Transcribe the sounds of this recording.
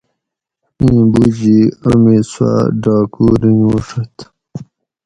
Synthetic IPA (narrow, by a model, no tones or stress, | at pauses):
ĩːbud͡ʑiəmiswa̰ɖɑːkuɾinuːʂɐt̪